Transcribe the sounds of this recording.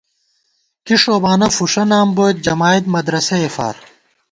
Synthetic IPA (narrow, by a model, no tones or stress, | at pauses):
kiʂoːbaːnɐfuʂɐnaːmbojt̪̚d͡ʑɐmaːid̪mɐd̪ɾɐsɐefa̰ːɾ